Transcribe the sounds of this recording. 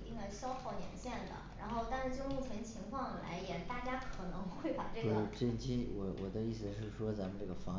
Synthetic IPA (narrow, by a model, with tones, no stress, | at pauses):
t̪i˥˩˧ŋa˧˩ɕjɑ˥ʊxɑ˥˩ʊnjɛ̰˧˥nɕjɛ˥˩nd̪ə̰˩ɻa̰˧˥nxo˥˧ʊt̪a˥˧nʂɻ̩˥˧˩t͡ɕʊ˥˧ŋi˥˩t͡ɕʰə˧˥nt͡ɕʰi˧˥ŋkʰwɑ˥˩ŋ˨la̰˧˥ɪjɛ˨˩t̪a˥˩t͡ɕja˥kʰɤ˨˩nɤ˧˥ŋxwe˥˩ɪpa˨˩ʈ͡ʂɤ˥˩weɡʈ͡ʂe˥˩t͡ɕi˥wɔ˨˩wʔɔ˨˩d̪ə˦i˥˩sɹ̩˩˧˩ʂɻ̩˥˩ʂwɔ˥t͡sa˧˥mə˧nʈ͡ʂɤ˥˩ɡə˩fɑ˧˥